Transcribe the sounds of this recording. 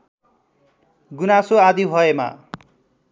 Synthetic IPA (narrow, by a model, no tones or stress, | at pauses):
ɡunasoad̪iɦʌema̰